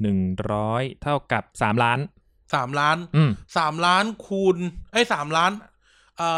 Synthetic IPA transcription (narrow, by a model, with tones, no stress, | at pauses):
nɯ˨˩ŋɾɔː˦˥jt̪ʰa˥˩wka˨˩p̚saː˩˦mlaː˦˥n | saː˩˦mlaː˦˥nʔːmsaː˩˦mlaː˦˥nkʰuː˧nʔa˦˥˩jsaː˩˦mlaː˦˥n | ʔəː˨˩